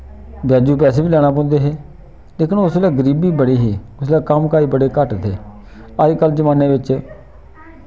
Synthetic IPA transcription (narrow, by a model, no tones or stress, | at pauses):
bjaːd͡ʒuːp̬ɛːseːbiːlɛːɽ̃aːp̬ɔ̃ːnd̪eːɦeː | leːkʰɪnʊsleːɡəɾiːbiːbəɽiːɦiːʊslaːkəmkaːiːbəɽeːkəʈt̪ʰḛː | əd͡ʒkəld͡ʒəmãːneːʋɪt͡ʃ